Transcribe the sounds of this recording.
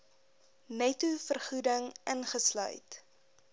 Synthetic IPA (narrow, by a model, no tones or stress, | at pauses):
nɛtufərχudəŋʔənχəslœ̰ɥt